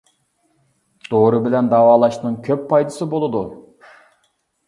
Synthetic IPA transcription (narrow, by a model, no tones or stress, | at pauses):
d̪̥oɾɨbɪlɛnd̪ɑːwɑːlˠɑʃnɨŋkʲʰøpːɑjd̪ɨsɨbolˠɨd̪u